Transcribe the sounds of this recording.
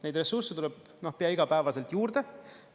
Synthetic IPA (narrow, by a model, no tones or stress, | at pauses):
ne̞jd̪re̞sːurset̪ulɛb̥ | no̞hpeɑiɡɑpæːvɑse̞lt̪juːrd̪̥e̞